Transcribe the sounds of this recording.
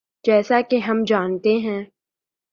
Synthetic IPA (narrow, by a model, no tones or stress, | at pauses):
d͡ʒɛːsakeɦɐmd͡ʒaːnt̪eɦɛ̃ː